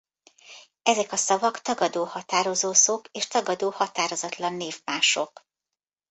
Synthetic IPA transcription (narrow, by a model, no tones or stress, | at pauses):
ɛzɛkɒsɒvɒkt̪ɒɡɒd̪oːhɒt̪aːɾo̞zoːsokeːʃt̪ɒɡɒd̪oːhɒt̪aːɾo̞zɒt̪lɒnːeːvmaːʃo̞k